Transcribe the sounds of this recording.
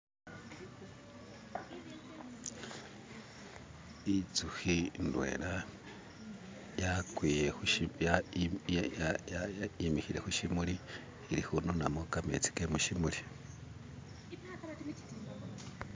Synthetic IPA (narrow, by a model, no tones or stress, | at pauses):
it͡suhindwe̞̰ːɾa | jakwiːjeja | imihiɾe̞̰huʃimuɾi | iɾihunonamokamḛt͡si̥kemuʃimuɾi